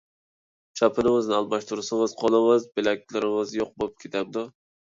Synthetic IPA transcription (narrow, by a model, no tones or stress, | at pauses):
t͡ʃʰɑpʰɪnɪŋɨznɪɑlˠmɑʃt̪ʰuɾsɪŋɨz̥qʰɒlˠɨmɨzbelɛk̚ʲlɪɾɪŋɪzjoq̚bolˠɨp̚kʲʰet̪ʰamd̪ʊ